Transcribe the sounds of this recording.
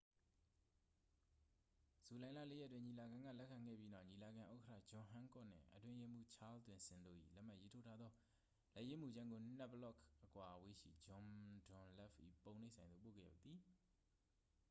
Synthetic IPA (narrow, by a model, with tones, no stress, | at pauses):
z̥u˨lã˨ɪ̃la̰˦˨le˦˨jɛ˦˨twɪ̃˦ɲi˨la˨ɡã˨ŋɡä̰˦˨lɛ˦kʰã˨ŋɡɛ̰˦˨pji˦na˦ʊɲi˨la˨ɡã˨ʔo˦kətʰä̰˦˨d͡ʑɔ̃˨ɦã˦ŋkɔ̰˦˨n̥ɪ̰̃˦˨ʔətwɪ̃˦je˦mu˦t͡ɕʰa˦ltwɪ̃˨nsɪ̃˨ndo̰˦˨ʔḭ˦˨lɛ˦ʔm̥a˦ʔje˦tʰo˦tʰa˦d̪ðɔ˦ | lɛ˦ʔje˦mu˨d͡ʑã˦ŋɡo˨n̥ɛ˦ʔbəlɔ˦˨kʰʔəkwa˨ʔəwe˦ʃḭ˦˨d͡ʑɔ̃˨mdʊ̃˨nlɛ˦˨pʔḭ˦˨põ˨ʊ̃ne˦sʰã˨ɪ̃nd̪o̰˦˨po̰˦˨ɡɛ̰˦˨ja̰˦˨t̪̚ði˨